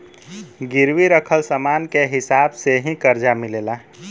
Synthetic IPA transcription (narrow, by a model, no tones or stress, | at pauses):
ɡɪɾwiɾəkʰəlsəmaːnkeɦɪsaːbseɦĩkəɾd͡ʒamɪleːlaː